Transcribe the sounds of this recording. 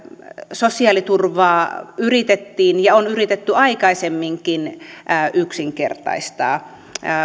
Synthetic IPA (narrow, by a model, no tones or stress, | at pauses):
sosiɑlit̪urʋɑːyrit̪et̪ːiːnjɑonyrit̪et̪ːyɑikɑisemːiŋkinʔʔyksiŋkḛrt̪ɑ̰ist̪ɑ̰ː